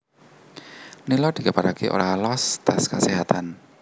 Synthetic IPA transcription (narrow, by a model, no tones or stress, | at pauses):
nilɔd̪̥i̤kapaɾakeʔo̰ɾalɔst̪askəseɦat̪an